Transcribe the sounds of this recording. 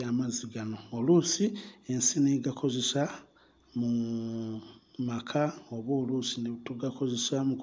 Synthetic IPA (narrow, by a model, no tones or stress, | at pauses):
amaziɡano̞ːlusiensineɡakʰo̞ze̞sa | mu | makʰaoβoːlusinetuɡako̞ze̞samu